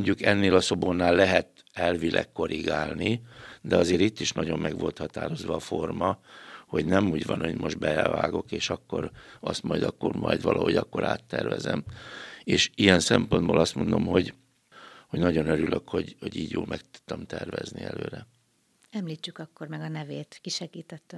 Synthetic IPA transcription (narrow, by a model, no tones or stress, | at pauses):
oɲɟukɛnːeːlɒso̞bonːaːlːɛɦɛt̪ | ɛlvilʔɛ̰kːo̞ɾiɡaːlnid̪ɛɒzeːɾit̪ːiʃnɒɟo̞mːɛɡʋo̞lt̪hɒt̪aːɾo̞zʋɒːformɒho̞ɟnɛmuːɟvɒnho̞ɟmo̞ʒd̪bɛva̰ːɡo̞keːʃɒkːo̞ɾɒst̪mɒjd̪ɒkːormɒ̰jd̪ʋɒlʔɒho̞ɟɒkːo̞ɾa̰ːt̪ːɛrvɛzɛmeːʃijɛnsɛmpond̪boːlʔɒst̪mo̞nd̪o̞mɦo̞ɟ | hoɟnɒɟo̞nøɾylʔøkho̞ɟho̞ɟiːɟjo̰ːlmɛk̚t̪u̥t̪ːɒmt̪ɛrvɛzniɛlø̰ːɾɛ | ɛmliːt͡ʃːykɒkːormɛɡɒnɛveːt̪kiʃɛɡiːt̪ɛt̪ːø